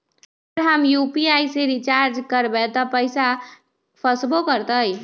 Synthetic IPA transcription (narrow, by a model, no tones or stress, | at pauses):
ɾɦəmjupiaiseɾit͡ʃaɾd͡ʒkəɾbɛt̪ɔpəɪsa | pʰəsbokəɾt̪əj